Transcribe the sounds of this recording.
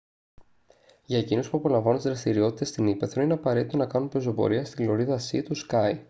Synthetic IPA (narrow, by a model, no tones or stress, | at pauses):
ʝɐecinospuɐpo̞lɐ̃ɱvɐnunt̪zðɾɐst̪iɾio̞t̪i̥t̪est̪inipeθɾo̞ineɐpɐɾe̞t̪it̪onɐkɐnumpɾozo̞po̞̰ɾiɐst̪ilo̞ɾiðɐsit̪uskɐj